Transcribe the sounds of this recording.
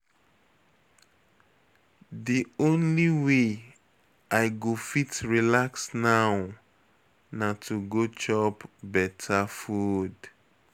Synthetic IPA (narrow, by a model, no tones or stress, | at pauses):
diõnliwe | aɪɡofitɹilaksnaʊ | natʰuɡot͡ʃɔpbɛtʰafud